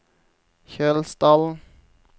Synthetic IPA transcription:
çøːlst̪ɑln̩

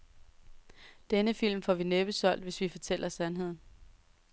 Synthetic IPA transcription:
d̥enəfil̰mfɒʋineb̥əsɒ̽l̰d̥ʋe̝sʋifɒt͡sʰel̰ɐsænɦe̝ð̰ˠn̩

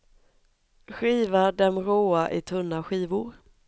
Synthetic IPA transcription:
ɧiːvaɖɛmɾoːaʔɪt̪ʰɵnːaɧiːvʊɾ

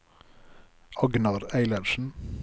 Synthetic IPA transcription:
ʔɑɡnɑɾæɪlɑɾʃn̩

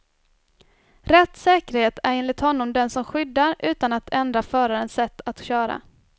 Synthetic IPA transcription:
ɾɛt̪ːsɛːkəɾheːt̪ʰæɾeːnlɪt̪hɔnːɔmd̪ɛnsɔmɧʏd̪ːaɾʉ̟ːt̪anat̪ʰɛnd̪ɾafœːɾaɾənsɛt̪ʰːat̪ɕœːɾa̰

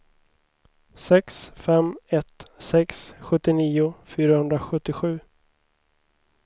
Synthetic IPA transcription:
sɛksfɛmɛt̪sɛksɧɵt̪ːɪniːʊfyːɾahɵnd̪ɾaɧɵt̪ːɪɧʉ̟ː

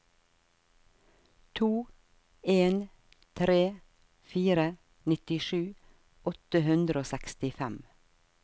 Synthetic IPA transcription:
t̪ʰuː | eːn | t̪ʰɾeː | fiːɾə | nɪt̪ɪʃʉː | ɔt̪əhʉnd̪ɾəoːsɛkst̪ɪfæm

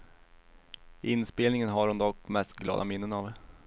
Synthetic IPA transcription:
ʔɪnspeːlnɪŋənɦaɾhʊnd̪ɔkːmɛst̪ɡlɑ̰ːd̪amɪnːənav

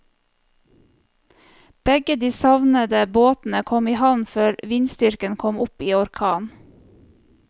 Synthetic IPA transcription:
b̥ɛɡəd̪iːsɑʋnəd̪əboːt̪n̩əkʰɔmiːhɑʋnføːɾʋɪnst̪ʏɾkənkʰɔmʊpiːɔɾkʰɑːn

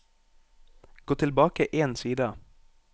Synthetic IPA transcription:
ɡ̥oːt̪ʰɪlbɑːkəʔeːnsiːd̪ə

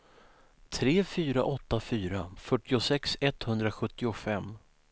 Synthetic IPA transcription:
t̪ʰɾeːfyːɾa̰ʔɔt̪ːafyːɾafœʈːɪʊsɛksɛt̪hɵnd̪ɾaɧɵt̪ːɪʊfɛmː

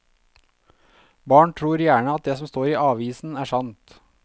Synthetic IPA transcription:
bɑːɳʈʰɾuːɾjæːɳəɑt̪̚d̪eːsɔmst̪oːɾiːʔɑːʋiːsn̩æːʂɑnt̪

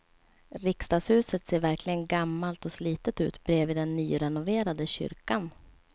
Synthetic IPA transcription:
ɾɪkst̪ɑːɡshʉ̟ːsət̪seːɾvæɾklɪɡənɡamːalt̪ɔsliːt̪ət̪ʉ̟̰ːt̪bɾeːviːd̪ɛnːyːɾɛnʊveːɾad̪əɕʏ̰ɾkan

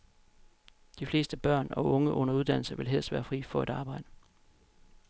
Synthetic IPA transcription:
d̥ifle̝ːsd̥əb̥ɶɐ̰nɒ̽ʔɔ̽ŋəʔɔ̽n̰ɐuðˠd̥æn̰l̩sɐʋe̝lɦel̰sʋæːɐfʁḭːfɒ̽e̝ɾ̥ɑ̈ːb̥ɑ̈ɪ̰d̥ə

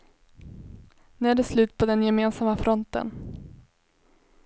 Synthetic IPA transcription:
nʉæɖɛslʉ̟ːt̪̚pʰɔd̪ɛnjɛmeːnsamafɾɔnt̪ə̰n

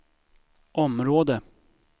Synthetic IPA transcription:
ʔɔmɾoːd̪ə

